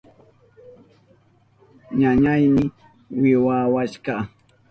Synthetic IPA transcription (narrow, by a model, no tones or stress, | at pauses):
ɲaɲajmɪ | wɪwawaʃɢɑ